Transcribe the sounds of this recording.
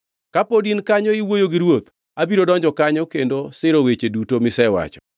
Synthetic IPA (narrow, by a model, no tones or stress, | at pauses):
kapodinkaɲɔɪwojoɡɪɾwot̪ | abiɾodɔɲd͡ʒɔkaɲɔkendosɪɾowet͡ʃedutomɪsɛwa̰t͡ʃɔ̥